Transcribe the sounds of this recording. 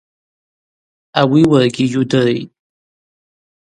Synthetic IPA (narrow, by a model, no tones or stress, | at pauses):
awiwarɡʲijudɨrḛjtʼ